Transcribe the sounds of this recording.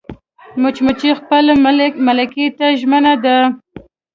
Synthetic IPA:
mʊt͡ʃmʊt͡ʃixpəlmalaket̪aʒmənad̪a

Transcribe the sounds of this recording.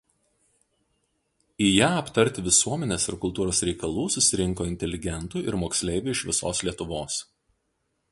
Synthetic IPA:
ijæːɐpt̪ɐɾʲt̪ʲɪʋʲɪsuɔmʲɛnʲeːsɪɾkʊlˠt̪uːɾoːsɾʲɛɪkɐlˠuːsʊsʲɪɾʲɪŋkoːɪnʲt̪ʲɛlʲɪɡʲɛnt̪uːɪɾmoːksʲlʲɛɪʋʲʊːɪʃʋʲɪsoːslʲiɛt̪ʊʋoːs

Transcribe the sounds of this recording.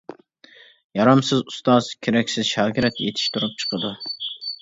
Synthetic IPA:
jɑɾɑmsɪzust̪ɑz̥kʲʰeɾɛkʲsɪzʃɑːɡʲiɾɛt̪jḛt̪ʰɪ̥ʃt̪ʰuɾup̚t͡ʃʰə̥qʰəd̪u

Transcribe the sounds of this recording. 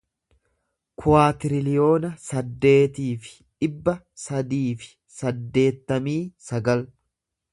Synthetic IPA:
kʰʊwaːt̪ɪɾɪlɪjo̞ːnɐsɐd̪ːe̞ːt̪iːfɪ̥ | ᶑɪbːɐ | sɐd̪iːfɪ̥ | sɐd̪ːe̞ːt̪ːɐmiːsɐɡɐl

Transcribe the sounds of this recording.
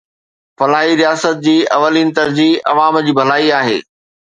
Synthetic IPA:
fɐlaːɦiɾijaːsət̪̚d͡ʑiːɐ̰ʋəliːnɪ̆t̪ɐɾziːɐ̰ʋaːmd͡ʑiːbʱɐlaːiaːɦḛː

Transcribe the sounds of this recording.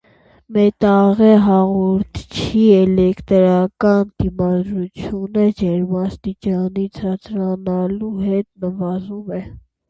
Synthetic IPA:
mɛt̪ɑʁɛɦɑʁɔɾt̪ʰt͡ʃʰiɛlɛkt̪ɾɑkɑnd̪̥imɑd̪ɾut͡sʰjunəd͡ʒɛɾmɑst̪it͡ʃɑnit͡sʰɑt͡sʰɾɑnɑluɦɛt̪nəvɑzumɛ

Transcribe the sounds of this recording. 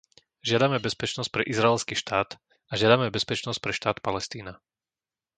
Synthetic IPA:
ʒɪad̪amɛbɛspɛt͡ʃnɔsc̚pɾɛʔizɾaɛlskiːʃt̪aːt̪ | aʒɪad̪amɛbɛspɛt͡ʃnɔsc̚pɾɛʃt̪aːt̪palɛst̪iːna

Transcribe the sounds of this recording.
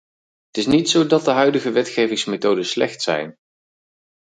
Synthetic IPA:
ətɪsnitsowdɑt̚dəɦœɥdəχəʋɛtχejvɪŋsmetowdənslɛ̰χtsɛ̰jn

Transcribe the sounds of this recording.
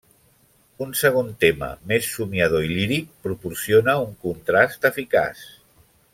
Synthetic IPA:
unsəɣ̞ont̪emə̰mesːumjəð̞oiliɾik̚pɾupuɾsionəuŋkunt̪ɾast̪əfika̰s

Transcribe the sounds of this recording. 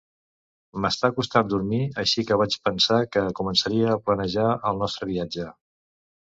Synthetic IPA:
məst̪akust̪and̪uɾmiəʃikəβ̞at͡ʃpənsakəkumənsəɾiəːplənəʒaəlˠnɔst̪ɾəβiad͡ʒə

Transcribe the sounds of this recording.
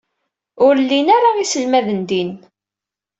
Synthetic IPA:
ʊɾlːinaɾaisəlmæðənd̪in

